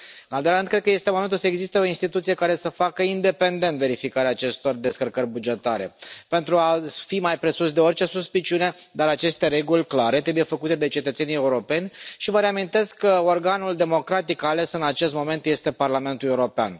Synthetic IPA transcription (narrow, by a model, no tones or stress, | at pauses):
ɨnald̪olaɨnkɾed̪kəje̞st̪emo̞me̞nt̪ulsəe̞ɡzist̪eo̞inst̪it̪ut̪sije̞kaɾe̞səfakəind̪e̞pe̞nd̪e̞nt̪ve̞ɾifikaɾeaːt͡ʃe̞st̪o̞rd̪e̞skərkəɾʲbud͡ʒe̞t̪aɾe̞̰pe̞nt̪ɾuafimajpɾe̞susd̪e̞o̞rt͡ʃe̞suspit͡ʃiune̞d̪aɾat͡ʃe̞st̪e̞ɾe̞ɡulʲklaɾe̞t̪ɾe̞buje̞fəkut̪e̞d̪e̞t͡ʃe̞t̪ət̪se̞nijeuɾo̞pe̞nʲʃivəɾeamint̪e̞skːəorɡanuld̪e̞mo̞kɾat̪ikale̞sɨnat͡ʃe̞st̪mo̞me̞nt̪je̞st̪e̞parlame̞nt̪uleuɾo̞pea̰n